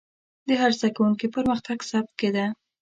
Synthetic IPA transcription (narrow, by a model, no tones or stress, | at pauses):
d̪əɦaɾzd̪akawuŋkipəɾməxt̪aɡsab̚t̪̚ked̪a